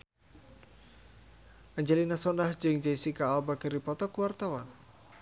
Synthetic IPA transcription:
ʔaɲd͡ʒalinasɔndahd͡ʒɨŋd͡ʒaisikaɔbakəripɔt̪ɔkuwart̪awan

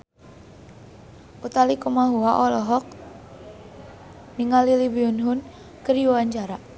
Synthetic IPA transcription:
ʔut̪alikumaɦuaʔɔlɔɦɔk̚ | niŋalilibiʊnɦʊn | kəɾjuwaɲt͡ʃaɾa

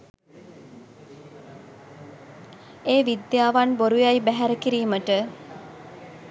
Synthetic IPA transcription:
eːʋid̪jaːʋanboɾujajbæɦæɾəkiɾiːməʈə

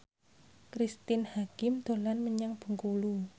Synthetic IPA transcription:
kɾist̪ɪnhakɪmd̪̥o̤lanməɲaŋb̥ə̤ŋkulu

